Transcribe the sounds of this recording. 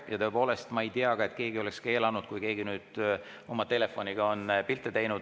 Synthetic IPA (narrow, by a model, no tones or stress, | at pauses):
jɑt̪oe̞po̞ːle̞st̪mɑejt̪iɑɡ̥ɑe̞t̪̚ːˑke̞ːɡio̞le̞kske̞ːlɑnud̪̥̚kujke̞ːɡinyːd̪̥ | o̞mɑt̪e̞le̞fˑo̞niɡ̥ɑo̞npilt̪ːˑet̪e̞jnud̥̪